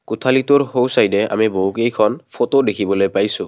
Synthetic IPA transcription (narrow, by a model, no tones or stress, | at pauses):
kutʰalitʊɹɦowsajdɛa̰miboɦukejkʰɔnpʰotodekʰibɔlojpajsʊ̃